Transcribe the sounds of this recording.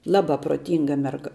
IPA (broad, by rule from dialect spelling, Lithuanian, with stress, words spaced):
ˈlˠɑːbɐ proːˈtʲiːŋɡɐ mʲɛrˈɡɐ